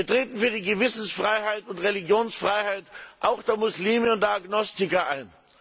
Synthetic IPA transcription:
iɐtʁ̥eːtn̩fyːɐdiːɡəvɪsn̩sfʁ̥aɪhaɪtʊntʁeliɡjoːnsfʁ̥aɪhaɪtʔaʊxd̥eːɐmʊsliːməʊntd̥aaɡnɔstɪkɐʔa̰ɪn

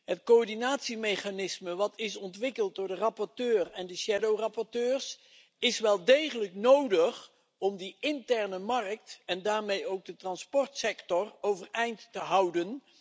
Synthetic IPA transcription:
ɦətkoɔɹdinaːtsimejχaːnɪsməʋɑtʰɪsɔntʋɪkəlˠt̚dʊːɹdərɑpɔɹtøːrɛndəʃɛdowrɑpɔɹtøːɹs | ɪsʋɛlˠdejχələknowdəχ | ɔmdiɪntɛɹnəmɑrək̚tɛndaːɹmejowk̚dətrɑnspɔɹtsɛktɔrowvərɛjntːəɦʌwdən

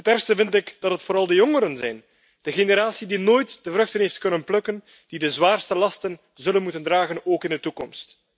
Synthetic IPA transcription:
ɦətɛrstəvɪntɪkd̥ɑtɦətfoːɾɑlˠdəjɔŋəɾənzɛjn | d̥əɣeneɾaːsidinoːjtd̥əvɾɵxtənɦeːftkɵnənplɵkən | d̥idəzwaːrstəlɑstən | zɵlənmutəndraːɣənoːkɪndətukɔmst

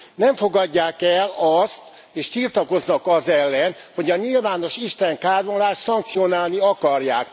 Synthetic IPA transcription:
nɛɱfo̞ɡɒɟːaːkɛlɒst̪ | eːʃt̪irt̪ɒko̞znɒkɒzɛlːɛn | ho̞ɟɒɲilvaːno̞ʃiʃt̪ɛŋkaːɾonlaːʃt̪sɒŋk̚t̪sio̞naːlniɒkɒrjaːk

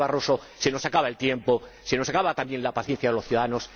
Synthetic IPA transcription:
βaroso | se̞no̞sakaβae̞lt̪je̞mpo | se̞no̞sakaβat̪ambje̞nlapaθje̞nθjaðeloθjuðaðanos

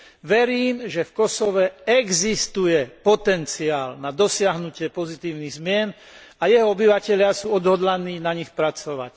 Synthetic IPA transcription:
ʋɛɾiːmʒɛfkɔsɔʋɛɛɡzist̪ujɛpɔt̪ɛnt͡siaːlnad̪ɔsɪaɦnucɪɛpɔzit̪iːʊniɣzmɪɛn | ajɛɦɔɔbiʋacɛʎɪasuːɔd̪ɦɔd̪laniːnaɲixpɾat͡sɔʋa̰c

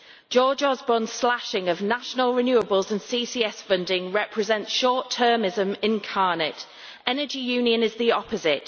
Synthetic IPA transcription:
d̥ʒ̥ɔːd͡ʒɒzbɔ̃nslaʃɪ̃ŋəvnaʃənəlˠɹɪnjʉːəbəlˠzə̃nsiːsiːɛsfʊ̃ndɪ̃ŋɹɛpʰɹɪzɛ̃ntsʃɔˑtʰɜːmɪzə̃mɪ̃nkʰɑːnɪt | ɛnəd͡ʒijʉːnjə̃nɪzðiɒpəzɪt

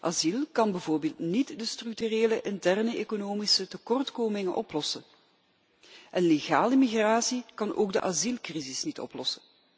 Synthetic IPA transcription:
ʔazilˠkɑnbəvoːrbeːlˠtnitdəstryk̚tyreːləʔɪntɛrnəekonoːmisətəkɔrtkoːmɪŋənʔɔplɔsən | ʔɛnleɣa̰ːləmiɣraːsikɑnʔo̰ːɡ̚dəʔazilˠkrizɪsnitɔ̰plɔsən

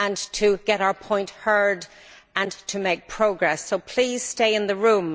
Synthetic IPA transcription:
ə̃ntʰəɡ̥ɛɾaʊə˞pʰɔ̃ɪ̃nʔhɜ˞d | ə̃ntʰəmeɪk̚pʰɹ̥oʊɡɹɛsoʊpʰl̥iːz̥steɪɪ̃nðəɹũm

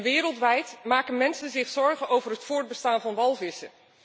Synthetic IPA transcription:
ʋɪːɾəlˠtʋɛjtmaːkənmɛnsənzɪχsɔɹχənowvərɦətfʊːɹd̚bəstaːnvɑnʋɑlˠvɪsə

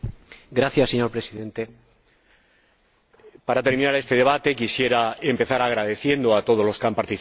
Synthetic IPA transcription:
ɡɾaθjase̞ɲo̞ɾpɾe̞siðe̞nt̪e̞ | paɾat̪e̞ɾmĩnaɾe̞st̪e̞ð̞e̞βat̪e̞kisje̞ɾae̞mpe̞θaɾaɣɾaðe̞θje̞nd̪oat̪o̞ð̞olo̞skampaɾt̪i

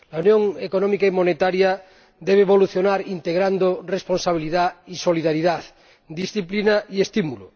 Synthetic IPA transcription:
launjõŋekonõmikaimonet̪aɾja | d̪eβeːβo̞luθjonaɾint̪eɣɾand̪oresponsaβ̞iliðaisoliðaɾiðað | d̪isθiplinaʔiest̪imulo̰

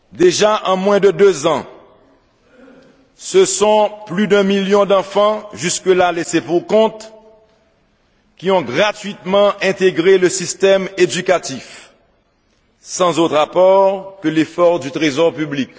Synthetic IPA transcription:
d̪eʒaʔɑ̃mwɛ̃d̪əd̪øzɑ̃ | səsɔ̃plyd̪ɛ̃miljɔ̃d̪ɑ̃fɑ̃ʒyskəlalesepuʁkɔ̃t̪ | kʲiɔ̃ɡʁat̪ɥit̪mɑ̃ɛ̃t̪eɡʁeləsist̪ɛmed̪ykat̪if | sɑ̃zot̪χapɔʁkəlefɔʁd̪yt̪ʁezɔʁpyblik

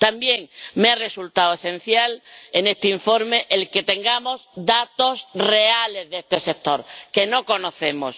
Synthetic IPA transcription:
t̪ambje̞ŋmeare̞sult̪awese̞n̟θjalene̞st̪eiɱfo̞ɾme̞ʔelke̞t̪e̞ŋɡamo̞zd̪at̪o̞sre̞ale̞zðe̞st̪e̞se̞k̚t̪o̞ɾke̞no̞ko̞no̞θe̞mo̞̰s

